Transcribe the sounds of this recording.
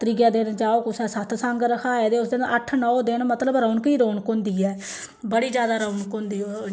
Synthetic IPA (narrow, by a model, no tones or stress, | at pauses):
t̪əɾiɡjaːd̪end͡ʒaːoːkʊsɛːsət̪ʰsãŋɡɾəkʰaːeːd̪eːʊsd̪ɪnʔəʈʰnɔːd̪ɪnmət̪ləbɾəːɳkiːɾoːɳkõːnd̪iːɛː | bəɽiːd͡ʒjaːd̪aːɾəunkoːnd̪iːoː